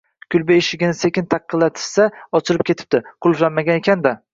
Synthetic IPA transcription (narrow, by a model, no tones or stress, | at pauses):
kʰʲʊlˠbeɪʃɪɡʲɪnɪse̞kʲɪnt̪ʰɑqʰːɨlːat̪ʰɪ̥ʃsaɒt͡ʃʰɪɾɪp̚kʲet̪ʰɪ̥p̚t̪ɪqʰʊlˠflanmaɡʲanekʲʰand̪a